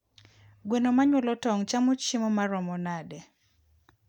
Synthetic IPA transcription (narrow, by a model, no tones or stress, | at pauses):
ɡwenomaɲwɔlɔtɔŋt͡ʃamoimɔmaɾɔmɔnadɛ